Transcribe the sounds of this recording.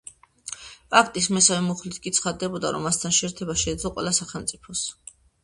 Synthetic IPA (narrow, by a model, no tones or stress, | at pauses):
pʼak̚ʰt̪ʼismɛsavɛmuχlit̪ʰkʼit̪sʰχad̪ɛbɔd̪a̰ɾɔ̰mːast̪ʰanʃɛːɾt̪ʰɛbaʃɛːd̪zlˠɔqʼwɛ̰lˠasaχɛlˠmt̪sʼipʰɔs